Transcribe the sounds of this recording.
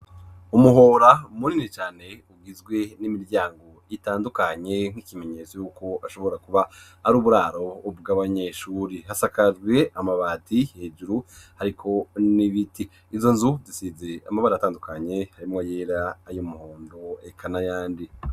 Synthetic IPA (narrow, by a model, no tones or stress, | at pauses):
umuɦo̞ɾamuninit͡ʃaːne̞uɡizɡwe̞nimiɾɟaːŋɡo̞itaːndukaɲe̞ŋ̥ikime̞ɲe̞t͡so̞juːko̞aʃo̞βo̞ɾakuβahːɾuːβuɾaːɾo̞bɡaβaɲe̞ʃuːɾihasakad͡ʒɡwe̞amaβaːtihe̞ːd͡ʒuɾuhaɾikʰo̞niβitiː | zo̞nzuzisize̞amaβaɾajataːndukaɲe̞haɾimŋojeːɾaːjomuhoːndo̞ekʰanajaːndi